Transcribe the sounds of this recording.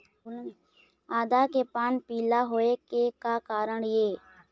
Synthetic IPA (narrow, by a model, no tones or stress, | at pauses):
aːd̪aːkepaːnpiːlaːɦoːekekakaːɾəɳjeː